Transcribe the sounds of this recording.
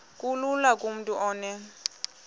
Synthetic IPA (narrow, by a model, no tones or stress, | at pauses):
kʼululakʼum̩tʼuʔɔːnɛ